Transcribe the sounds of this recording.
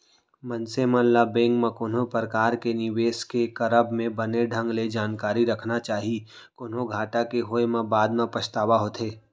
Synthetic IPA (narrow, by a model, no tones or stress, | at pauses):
mɐnsemə̃labẽːŋɡmãkoːnɦopəɾəkaːɾkenɪʋeːskekɐɾəbmẽbɐneɖʱə̃ŋɡled͡ʒaːnkaːɾiɾɐkʰnat͡ʃaːɦi | koːnõɡʱaːʈakeɦoemãbaːd̪mãpɐst̪aːʋaɦoːt̪ʰeː